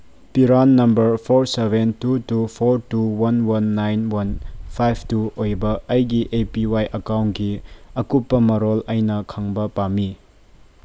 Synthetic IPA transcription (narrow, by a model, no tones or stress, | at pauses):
piɾanːɐmbɐɾpʰoɾsebʱentutupʰoɾtuwɐnwɐnːajnwɐnpʰajpʰtuojbɐːjɡiʔepiwajʔɐkawntɡiɐkupːɐmɐɾolɐjnɐkʰaŋbɐpami